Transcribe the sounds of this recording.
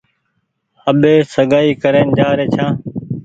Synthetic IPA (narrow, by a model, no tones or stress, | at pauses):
əɓeːsəɠaːiːkəɾeːnd͡ʒaːɾeːt͡ʃʰãː